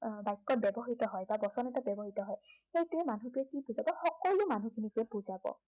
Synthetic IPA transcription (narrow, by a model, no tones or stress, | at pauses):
bajkːɔbjɔbɔɦitɔɦɔjbabɔsɔnɛtabjɔbɔɦitɔɦɔjxejtʊɛmanutʊɛkibuzabɔxɔkɔlumanukʰinikuɛbuzabɔ̰